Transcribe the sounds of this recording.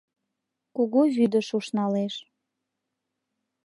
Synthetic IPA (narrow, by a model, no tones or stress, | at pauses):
kuɣuβyd̪əʃuʃnɑleʃ